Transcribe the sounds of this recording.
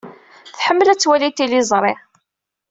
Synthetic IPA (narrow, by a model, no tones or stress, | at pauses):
θħəmːəlæt͡sːwælit̪ilizˤɾˤɪ